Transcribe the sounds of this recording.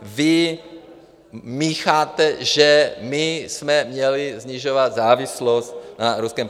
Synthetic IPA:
vɪ | mixaːt̪ɛʒɛmɪsmɛmɲɛlizɲiʒovat̪zaːvɪslost̪̚naɾuskɛm

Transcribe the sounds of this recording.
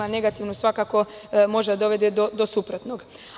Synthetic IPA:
ane̞ɡat̪iʋnusʋakako̞mo̞ʒd̪ad̪o̞ʋe̞d̪ed̪od̪osupɾot̪noɡ

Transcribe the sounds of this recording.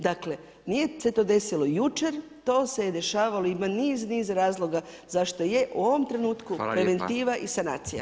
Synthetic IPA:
d̪akle̞ | nije̞se̞t̪o̞d̪e̞silo̞jut͡ʃe̞ɾt̪o̞ːse̞jed̪e̞ʃaːʋalo̞imaniːzniːzɾaːzlˠo̞ɡa | zaʃt̪o̞je̞ʔuo̞ʋo̞mt̪ɾe̞nuːt̪kuppɾe̞ʋe̞nt̪iːʋaʔisana̰ːt̪sija̰

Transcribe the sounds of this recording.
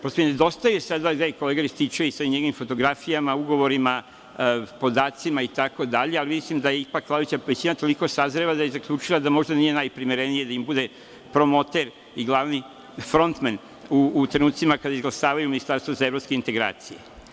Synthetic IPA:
pɾost̪omned̪o̞st̪ajujesad̪ad̪aiko̞leɡaɾist̪it͡ʃuiseɲeɡoʋimfo̞t̪o̞ɡɾafijamauɡo̞ʋo̞ɾima | po̞d̪aːt̪simait̪ako̞d̪aʎe̞alimislimd̪aje̞ipakːlˠaʋit͡ɕaʋet͡ɕinat̪o̞liko̞sazɾeʋad̪ajezakʎuːt͡ʃilad̪amo̞ʒd̪anije̞najpɾimiɾenije̞d̪aimbud̪e̞ | pɾo̞mo̞t̪eɾ | iɡlˠaʋni | fɾo̞nt̪men | uːt̪ɾe̞nuːt̪simakad̪aizɡlˠaʃaːʋajuminist̪aɾst̪ʋozae̞vɾopskeint̪eɡɾa̰ːt̪sijḛ

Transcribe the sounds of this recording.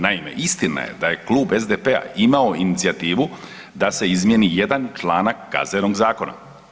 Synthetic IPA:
naime̞̰ʔist̪ina̰je̞̰d̪aje̞klˠuːbezd̪epe̞a̰imaoinit̪siat̪iːʋu | d̪ase̞izmjenije̞d̪ant͡ʃlˠaːnakːa̰zenoɡzaːko̞na̰

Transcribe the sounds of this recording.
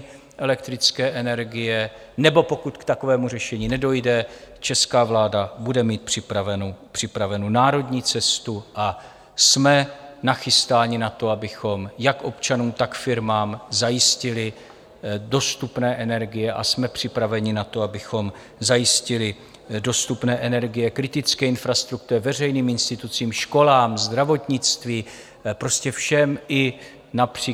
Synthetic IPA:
ʔɛlɛk̚t̪ɾɪt͡skɛːʔɛnɛɾɡɪjɛ | nɛbo̞po̞kut̪kt̪ako̞vɛːmur̝ɛʃɛɲiːnɛdo̞jdɛt͡ʃɛskaːvlaːdabudɛmiːt̪̚pr̥ɪpɾavɛnopr̝̥ɪpɾavɛnuːnaːɾo̞dɲiːt͡sɛst̪uʔa | smɛnaxɪst̪aːɲɪnat̪o̞abɪxo̞mjakʔo̞pt͡ʃanuːt̪akfɪɾmaːmzajɪscɪlɪ | do̞st̪upnɛːʔɛnɛɾɡɪjɛʔa̰smɛpr̝̥ɪpɾavɛɲɪnat̪o̞abɪxo̞m | zajɪscɪlɪ | do̞st̪upnɛːʔɛnɛɾɡɪjɛkɾɪt̪ɪt͡skɛːɪnfɾast̪ɾuk̚t̪uɾɛvɛr̝ɛjniːmɪnst̪ɪt̪ut͡siːmʃko̞laːmzd̪ɾavo̞t̪ɲɪt͡st̪viː | pɾo̞scɛfʃɛmʔɪ | napr̥iː

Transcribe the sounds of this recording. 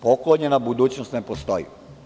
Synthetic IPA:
pokloɲenabud̪uːt͡ɕnost̪nepost̪ojḭ

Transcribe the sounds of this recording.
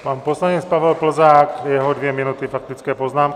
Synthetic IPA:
paːnpɔslaɲɛt͡spaʋɛlpl̩zaːkjɛɦɔd̪ʋjɛminut̪ifak̚t̪it͡skɛːpɔznaːm

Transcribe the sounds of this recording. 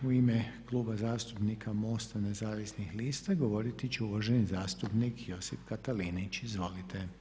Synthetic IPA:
uimeklˠuːbazaːst̪upnikʰamo̞ːst̪ane̞zaːʋisnixliːst̪aɡo̞ʋo̞ɾit̪it͡ɕeuʋaʒenizaːst̪upnikjo̞sifkat̪alinit͡ʃizʋo̞lit̪e

